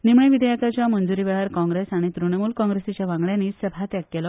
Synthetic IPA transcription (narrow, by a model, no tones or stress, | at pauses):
nimɳeʋid̪jakat͡ɕjamənd͡zuɾiʋɛɭaɾkɔ̃ŋɡɾesaɽ̃it̪ɾuɳ̃emuːlkɔ̃ŋɡɾesit͡ɕjaʋãŋɡɭjãniːsəbʱat̪jak̚kːelɔ